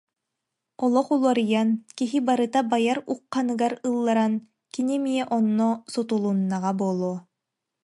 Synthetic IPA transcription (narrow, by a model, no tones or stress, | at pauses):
ɔlˠɔχulˠɔɾɯjankiɦibaɾɯt̪abajaɾuqːanɯɡaɾɯlˠːaɾan | kinimiɛʔɔnːɔsɔt̪ulˠunːaʁabuɔːlˠuɔ